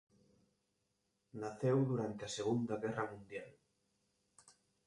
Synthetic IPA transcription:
naθewðuɾant̪eɐseɣund̪ɐɣɛrɐmũnd̪jal

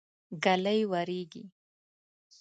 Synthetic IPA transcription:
ɡaləjwaɾeɡḭ

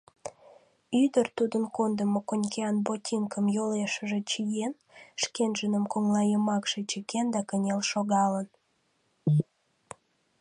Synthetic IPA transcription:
yd̪ərt̪ud̪ənkond̪əmokonʲkeɑnbotʲʰiŋkəmjoleʃəʒet͡ɕijen | ʃkenʒənəmkoŋlɑjəmɑkʃet͡ɕəkend̪ɑkənʲelʃoɣɑlən

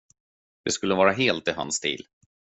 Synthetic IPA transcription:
d̪̥ɛskɵlːəvɑːɾaɦeːlt̪ɪɦa̰nst̪ʰḭːl

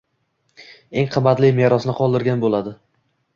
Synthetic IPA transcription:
e̞ŋqʰɨmːat̪lɪmeɾɒsnɪqʰɒlˠd̪ɪɾɡʲanbolad̪ɪ

